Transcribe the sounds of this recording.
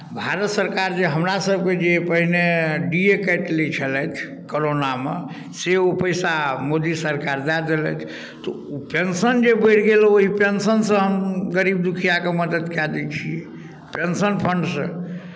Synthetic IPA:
bʱaɾət̪səɾkaɾd͡ʒeɦəmɾasəb̚ʱked͡ʒepəɦineɖiekəʈ̪let͡ʃʰəlɛt͡ʃʰ | koɾonamḛ | seopəjsamod̪isəɾkaɾd̪ad̪elə̰t͡ʃ̪ʰ | t̪ɔ̰ | upensənd͡ʒebəʈɡeloɦipensənsə̃ɦəmɡəɾib̚d̪ukʰijakeməd̪əd̪kjad̪ɛt͡ʃʰiɛ | pensənpʰəɳɖsə̰̃

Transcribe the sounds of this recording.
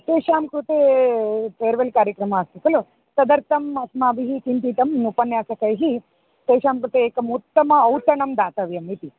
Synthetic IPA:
t̪eːʃaːmkɾut̪eːpeːɾʋɐlkaːɾjɐkɾɐmɐaːst̪ikɐlu | sɐd̪ɐɾt̪ɐmɐsmaːbiɦikint̪it̪ɐmupɐnjaːsɐkɐjɦi | t̪eːʃaːmkɾut̪eːkɐmut̪ːɐmɐːwt̪ɐɳɐmd̪aːt̪ɐʋjɐmit̪i

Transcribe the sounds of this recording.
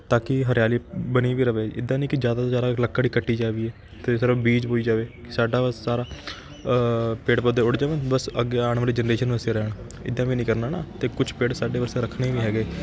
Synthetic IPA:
t̪aːkɪɦəɾjaːliːbəniːʋiːɾəʋeːɪd̪ːãːnĩːkɪd͡ʒjaːd̪aːt̪ːzaːɾaːləkːaːɽiːkəʈːiːd͡ʒaːʋiːɛː | t̪esəɾbiːd͡ʒboːiːd͡ʒaːʋeːkɪ̥saːɖaːbəssaːɾaː | peːʈpəd̪eːʊɽd͡ʒaːʋeːbəsəɡeːaːɳʋəːɾiːd͡ʒənɾeːʃənʋəseːɾɛːɳ | ɪ̰d̪ːãːʋiːnĩːkəɾnaːnaːt̪eːkʊt͡ʃʰpeːʈsaːɖeːʋəɾseɾəkʰneːʋiːɦɛːɡeː

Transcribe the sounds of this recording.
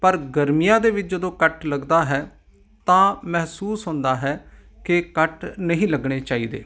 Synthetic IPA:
pəɾɡəɾmijãːd̪eːʋɪt͡ʃd͡ʒəd̪õːkəʈləɡd̪aːɦɛː | t̪ãːmɛɦsuːsɦõːnd̪aːɦɛː | kɪkəʈnəɦĩːləɡɳeːt͡ʃaːiːd̪ḛː

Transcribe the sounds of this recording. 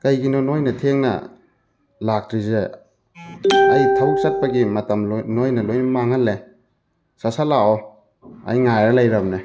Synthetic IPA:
kɐjɡinonojnɐtʰeŋnɐ̰ | lak̚tɾize | ɐjtʰɐw̚sɐt̚pɐɡimɐtɐmnojnɐlojnmaŋhɐlːe | sasalaɔ | ɐ̰jŋajɾɐlɐjɾɐmne

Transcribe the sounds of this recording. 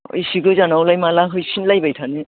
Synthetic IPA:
ɯ̰jsiɡɯzanawlajmalaɦɯjsʰinlajbajtʰane

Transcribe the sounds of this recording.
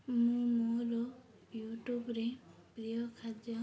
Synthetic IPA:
mũmuɾo | juʈjubɾepɾijɔkʰad͡ʒjɔ

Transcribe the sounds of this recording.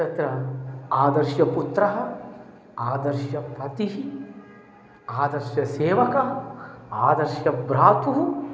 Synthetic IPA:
ɐt̪ɾɐaːd̪ɐɾʃjɐput̪ɾɐɦɐ̆ | aːd̪ɐɾʃjɐpɐt̪iɦi | aːd̪ɐɾʃjɐseːʋɐkɐɦɐ̆aːd̪ɐɾʃjɐbɾaːt̪uɦu

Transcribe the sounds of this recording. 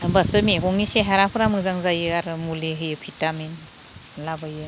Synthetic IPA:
basɯmeɡɔŋniseɦaɾapʰɯɾamɯzaŋzajɯaɾɯmuliɦɯjɯpʰitamin | labajɯ

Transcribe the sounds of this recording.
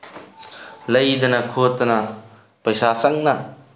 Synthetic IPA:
lɐjd̪ɐnɐkʰot̪ːɐnɐ | pɐjsasɐŋ̚nɐ

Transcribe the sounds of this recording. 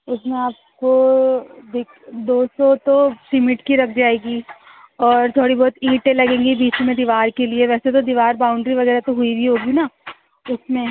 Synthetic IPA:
ʊsmẽaːp̚ | ko | d̪eːkʰd̪oːsɔt̪osɪmɪʈkiɾɐk̚ʰd͡ʒaːeːɡi | ɔːɾt̪ʰoːɽibɔːt̪iːʈẽlɐɡẽːŋɡibiːt͡ʃmẽd̪iːʋaːɾkelieʋɛːset̪̬od̪iʋaːɾbaːʊ̃ɳɖɾiʋɐɡɛːɾat̪oɦʊibʱiɦoːɡina | ʊsmẽ

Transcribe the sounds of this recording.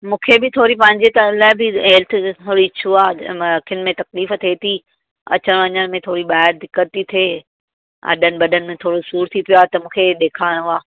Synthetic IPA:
mũːkʰebɪt̪ʰoːɾipɐ̃ɦɪ̃ɲd͡ʑet̪əlaːɪbɪɦɛlt̪ʰt̪ʰoːɽiɪt͡ɕʰuaːkʰɪn̆mẽt̪ɐkliːft̪ʰet̪ʰi | ɐ̰t͡ɕəɽ̃ʋɐɲəɽ̃mẽt̪ʰoːɽiɓaːɦɪɾd̪ɪkːət̪ːit̪ʰeː | ɐ̰ɗʱənɪ̆bɐɗʱənɪ̆mẽt̪ʰoːɽosuːɾt̪ʰipijoaːt̪ɐmũːkʰeɗ̪eːkʰaːɽ̃aː

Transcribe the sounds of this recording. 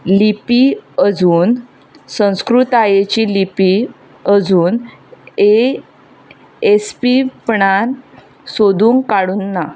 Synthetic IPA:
lipiəd͡zuːn | sə̃w̃skɾut̪ajet͡ɕilipi | əd͡zuːne | espipɳan | sod̪uːŋkkaɽunːa

